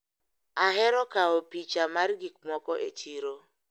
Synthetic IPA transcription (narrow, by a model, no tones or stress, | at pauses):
aɦɪɾɔkaopit͡ʃamaɾiɡikmʷɔkɔʔḛt͡ʃiɾo